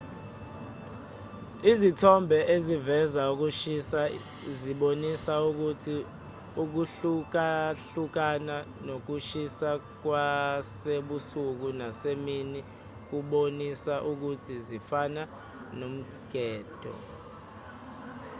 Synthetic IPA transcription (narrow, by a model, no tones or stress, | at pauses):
izitʰɔmbʱɛʔezivɛzauk̬uʃisa | ziɓonisauk̬utʰi | uk̬uɬuk̬aɬuk̬ananok̬uʃisa | k̬waseɓusuk̬unasemini | k̬uɓonisaʔuk̬utʰizifana | nom̩ | ɡ̥ʱɛːd̥ʱɔ̰